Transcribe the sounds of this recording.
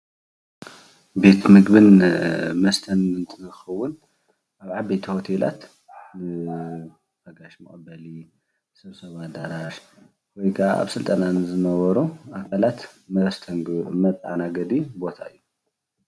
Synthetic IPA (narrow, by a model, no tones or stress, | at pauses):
be̞t̪mɨɡbɨnmɐst̪ʰɐnɨnt̪ʰɨɨxɐwːʊn | aβʕabet̪ʰiho̞t̪ʰela̰t̪ | nɨ | fɐɡaʃmɐ̰χʼɐbɐli | nɨsɐβsɐβad̪aɾaɾ | wojkʰa̰a̰βsɨlt̪ʼɐnanɨzɨnɐβɐɾuʔakʰalat̪mɐst̪ʰɐnɡmɐt̪ʼa̰naɡɐd̪ibo̞t̪ʰa̰ɨjːu